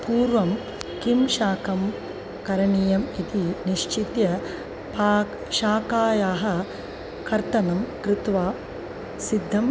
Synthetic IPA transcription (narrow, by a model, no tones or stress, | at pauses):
puːɾʋɐm | kimʃaːkɐm | kɐɾɐɳiːjɐmit̪iniʃt͡ʃit̪jɐ | paː | ʃaːkaːjaːɦɐ̆ | kɐɾt̪ɐnɐmkɾɪt̪ʋaː | sid̪ʱːɐm